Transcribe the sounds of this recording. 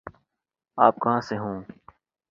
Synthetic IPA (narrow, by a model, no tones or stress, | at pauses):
aːp̚kɐɦãːseɦũː